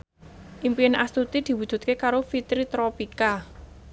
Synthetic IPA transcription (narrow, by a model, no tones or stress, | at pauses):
ʔimpiɪnʔast̪ut̪id̪̥i̤wud̥ʒ̥ṳt̪̚kekaɾofit̪ɾit̪ɾopika